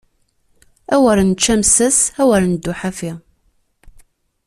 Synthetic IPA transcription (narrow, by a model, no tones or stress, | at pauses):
æwæɾnt͡ʃːæmsəsæwəɾnəd̪ːuħafi